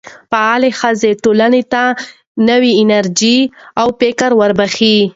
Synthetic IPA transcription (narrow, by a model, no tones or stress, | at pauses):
paalexəzeʈolanet̪a | nəwiɪnaɾd͡ʒiawpekaɾwaɾbaxi